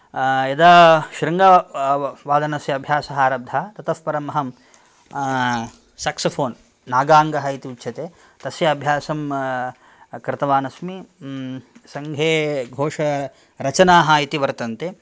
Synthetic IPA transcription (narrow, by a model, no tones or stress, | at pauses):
jɐd̪ɐʃɾɐŋɡɐ | ʋaːd̪ɐnɐsjɐɐbʱjaːsɐɦaːɾɐb̚d̪ʱɐt̪ɐt̪ɐspɐɾɐmɐɦɐm | saːksɐpʰoːnː | aːɡaːŋɡɐɦɐit̪iʋut͡ʃːʰɐt̪eː | t̪ɐsjɐːbʱjaːsɐm | kɾɪt̪ɐʋaːnɐsmi | sɐŋɡʱeːɡʱoːʂɐ | ɾɐt͡ʃɐnaːɦɐit̪iʋɐɾt̪ɐnt̪eː